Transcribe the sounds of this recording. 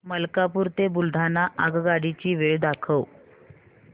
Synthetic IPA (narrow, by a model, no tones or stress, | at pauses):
məlkapuɾt̪ebuld̪ʱanːaʔaɡɡaɽit͡ɕiːʋeɭd̪akʰəw